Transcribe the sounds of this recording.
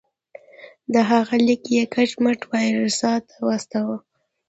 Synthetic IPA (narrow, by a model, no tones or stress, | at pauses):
d̪əɦaɣalikjekat͡ʃmaʈwɑjɾəsɑt̪awɑst̪awə